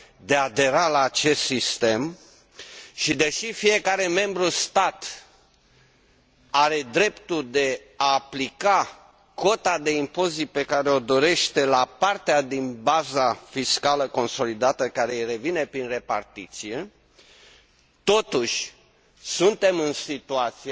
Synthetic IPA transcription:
d̪e̞ad̪e̞ɾalaːt͡ʃe̞st̪sist̪e̞m | ʃid̪e̞ʃifije̞kaɾe̞me̞mbɾust̪at̪ | aɾe̞d̪ɾe̞pt̪uld̪e̞ | aːplika | ko̞t̪ad̪e̞impo̞zit̪̚pe̞kaɾeo̞d̪o̞ɾe̞ʃt̪e̞lapart̪ead̪inbazafiskaləko̞nso̞lid̪at̪əkaɾejre̞vine̞pɾinre̞pa̰rt̪it̪sije̞ | t̪o̞t̪uʃʲ | sunt̪e̞mɨnsit̪uat̪sie

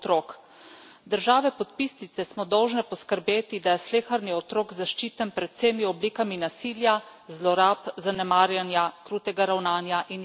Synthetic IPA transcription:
t̪ɾoːk | d̪əɾʒaːʋɛpɔt̪̚pisnit̪sɛsmɔd̪ɔwʒnɛpɔskəɾbeːt̪id̪ajɛsleːxaɾniɔt̪ɾoːɡzaʃt͡ʃiːt̪ənpɾɛt̪seːmiɔbliːkaminasiːljazlɔɾapzanɛmaːɾjanjakɾuːt̪ɛɡaɾawnaːnjaʔin

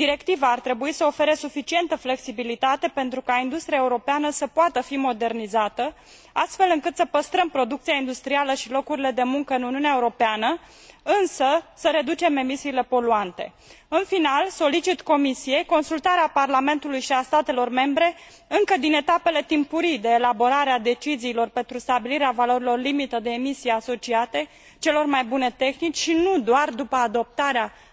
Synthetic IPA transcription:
d̪iɾe̞kt̪ivaːrt̪ɾe̞buisəo̞fe̞ɾe̞sufit͡ʃie̞nt̪əfle̞ksibilit̪at̪e̞pe̞nt̪ɾukaind̪ust̪ɾiaeuɾo̞peanəsəpoat̪əfimo̞d̪e̞rnizat̪ə | a̰st̪fe̞lɨŋkɨt̪səpəst̪ɾəmpɾo̞d̪ukt̪siaind̪ust̪ɾialəʃilo̞kuɾile̞d̪e̞muŋkəɨnuniuneaeuɾo̞peanə | ɨnsəsəɾe̞d̪ut͡ʃe̞me̞misiːle̞po̞luant̪e̞̰ | ɨnfinalso̞lit͡ʃit̪ko̞misije̞jko̞nsult̪aɾeaparlame̞nt̪ulujʃiast̪at̪e̞lo̞rme̞mbɾe̞ | ɨŋkəd̪ine̞t̪ape̞le̞t̪impuɾid̪e̞ːlabo̞ɾaɾead̪e̞t͡ʃiziːlo̞rpe̞nt̪ɾust̪abiliɾeavalo̞ɾilo̞rlimit̪əd̪e̞ːmisijaso̞t͡ʃiat̪e̞ | t͡ʃe̞lo̞rmajbune̞t̪e̞xnit͡ʃʲʃinud̪oard̪upəad̪o̞p̚t̪aɾea

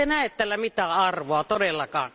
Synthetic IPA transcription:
enæˑet̪t̪æːlːæmit̪æːʔɑrʋoɑt̪odelːɑkɑ̰ːn

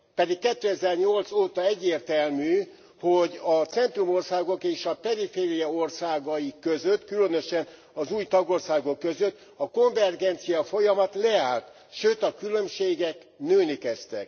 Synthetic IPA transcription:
pɛd̪ikkɛt̪ːøːɛzɛrɲo̞lt̪soːt̪ɒɛɟːeːrt̪ɛlmyː | ho̞ɟɒt̪sɛnt̪rumo̞rsaːɡo̞keːʃɒpɛɾifeːɾijɒo̞rsaːɡɒjikøzøt̪ːkylø̞nøʃɛn | ɒzuːjt̪ɒɡo̞rsaːɡo̞kːøzøt̪ː | ɒko̞ɱvɛrɡɛnt̪sijɒfo̞jɒmɒt̪lɛaːlt̪ | ʃøːt̪ɒkylø̞mʃeːɡɛk | nøːnikɛst̪ɛ̰k

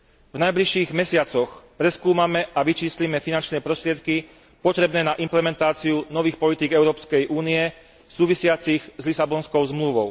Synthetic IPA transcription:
vnajbliʃiːɣmɛsɪat͡sɔxpɾɛskuːmamɛʔaʋit͡ʃiːslimɛfinant͡ʃnɛːpɾɔst̪ɾɪɛt̪̚ki | pɔt̪ɾɛbnɛːnaʔimplɛmɛnt̪aːt͡siunɔʋiːxpɔlit̪iːɡɛʊɾɔːpskɛjʔuːniɛ | suːʋisɪat͡siɣzlisabɔnskɔʊzmluʋɔʊ

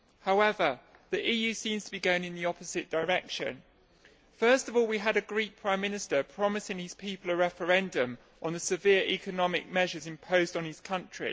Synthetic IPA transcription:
haʊɛvə | ðiʔiːjʉːsĩːmz̥tʰəbiɡəʊɪ̃nɪ̃nðiɒpəz̥ɪʔd̥əɹɛkʃə̰̃n | fɜˑstəvɔːlˠwiəɾəɡɹiˑk̚pʰɹ̥ãɪ̃mːɪ̃nɪstəpʰɹ̥ɒmɪsɪ̃ŋɪz̥pʰiˑpəlˠəɹɛfəɹɛ̃ndə̃m | ʔə̃nðəsɪvɪəɹḭkʰənɒmɪ̰k̚mɛʒəzɪ̃mpʰəʊzdn̩ɪz̥kʰʌ̃nt͡ʃɹ̥ḭ

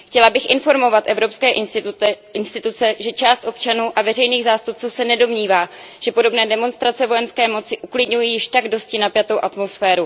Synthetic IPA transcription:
xcɛlabɪxʔɪnfo̞ɾmo̞vat̪ʔɛvɾo̞pskɛːʔ | ɪnst̪ɪt̪ut͡sɛʒɛt͡ʃaːst̪ʔo̞pt͡ʃanuːʔavɛrɛjniːɣzaːst̪up̚t͡suːsɛnɛdo̞mɲiːvaː | ʒ̥ɛpo̞do̞bnɛːdɛmo̞nst̪ɾat͡sɛvo̞jɛnskɛːmo̞t͡sɪʔuklɪdɲujiːjɪʃt̪aɡdo̞scɪnapjat̪o̞wʔat̪mo̞sfɛːɾu

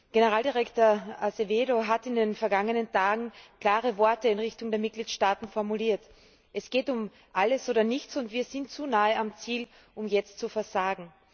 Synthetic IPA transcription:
ɡ̥enəʁaːldiʁɛktoːɐaseveːdoɦatɪndenfɛɐɡaŋənəntʰaːɡŋ̩kl̥aːʁəvɔɐtəɪnʁɪçtʊŋdeːɐmɪt̚ɡ̥liːtʃtaːtn̩fɔɐmuliːɐt | ʔɛsɡ̥eːtʊm | ʔaləsʔoːɾɐnɪçt͡sʊntv̥iːɐzɪntt͡sunaːəamt͡siːl | ʔʊmjɛt͡stt͡sufɛɐzaːɡŋ̩

